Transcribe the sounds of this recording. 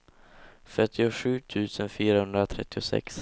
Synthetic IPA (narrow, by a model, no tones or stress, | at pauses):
fœʈ̪ːɪʊɧʉ̟ːt̪ʰʉ̟ːsənfyːɾahɵnd̪ɾat̪ʰɾɛ̰t̪ːɪʊsɛ̰ks